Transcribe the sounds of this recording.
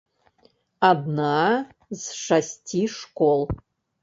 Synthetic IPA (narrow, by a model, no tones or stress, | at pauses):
adnaː | zʂastʰiʂkʷolˠ